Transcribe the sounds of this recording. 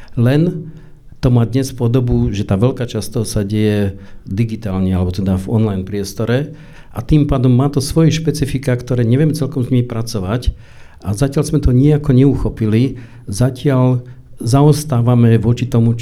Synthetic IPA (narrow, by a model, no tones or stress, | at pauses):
lɛn | t̪ɔmaːd̪ɲɛspɔd̪ɔbuʒɛt̪aːʋɛlkaːt͡ʃast̪ɔsaɟɛjɛd̪iɡit̪aːlɲɛalɛbɔt̪ɛd̪avɔ̰nlajnpɾɪɛst̪ɔɾɛ | ʔat̪impaːd̪ɔmːaːt̪ɔsʋɔjɛʃpɛt͡sifikakt̪ɔɾɛːɲɛʋɪɛmt͡sɛlkɔmzɲimipɾat͡sɔʋac | ʔazacɪalzmɛt̪ʰɔɲiakɔɲɛuxɔpili | zacɪalzaɔst̪aːʋamɛʋʊɔt͡ʃit̪ɔmu